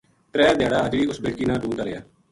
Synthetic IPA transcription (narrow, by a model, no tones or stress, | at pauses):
t̪ɾɛːd̪ɪjaːɽaːəd͡ʒʋiːʊsbeːɽkiːnãːɖũːnt̪aːɾɪjaː